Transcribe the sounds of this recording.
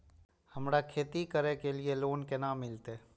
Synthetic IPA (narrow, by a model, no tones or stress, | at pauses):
hɐmɾakʰeːt̪ikəɾekelieloːnkenaːmːɪlt̪e